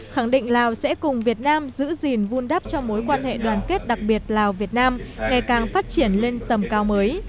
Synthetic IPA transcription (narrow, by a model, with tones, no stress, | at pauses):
xa˧˩ŋɗḭ̈˧˨ŋ̟laː˨˩wsɛ̰˧˥kʊ˨˩ŋ͡mvi˨˩ət̚naː˧mzɨ̰˧˥zi˨˩nvu˧nɗa˦˥p̚t͡ɕɔ˧mo˨˦jkwaː˧nhḛ˧˨ɗwaː˨˩nke˦˥t̚ɗa˨˩k̚ɓi˨˩ət̚laː˨˩wvi˨˩ət̚naː˧mŋa˨˩jkaː˨˩ŋfaː˦˥t̚t͡ɕi˧˩ənle˧nt̪ə˨˩mkaː˨˦wməː˨˦j